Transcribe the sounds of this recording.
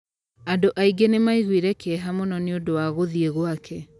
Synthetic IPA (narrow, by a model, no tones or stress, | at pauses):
adoʔaiɡenemaiɣwiɾɛkɛɦamonɔneodowaɣoðieɣwakʰɛ